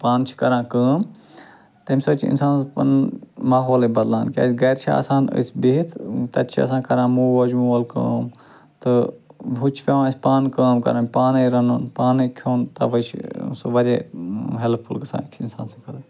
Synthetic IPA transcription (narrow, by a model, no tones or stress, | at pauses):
paːnt͡ʃʰi̥kɐɾãːkəːm | t̪ɐmʲsɐt͡ʃʰḭnsaːnpɐ̰nmaːɦoːlebɐd̪lãːnkʲa̰ːsʲɡɐjɾt͡ʃʰa̰a̰sãːnə̰sʲbeit̪ʰt̪ɐt̪t͡ʃʰiɐ̰sãːkɐɾãːmuːʋɐd͡ʒmuːʋɐlkə̰ːm | t̪ɨbut͡ʃʰpʲeʋãːsʲpaːnkəːmkɐ̰ɾãnʲpaːnɐjɾɐnunpaːnɐkʰoːnt̪ɐʋɐt͡ʃʰsuʋɐɾeːɦelpʰulkɐsã̰ːkt͡ʃʰinsaːnsɐkɐln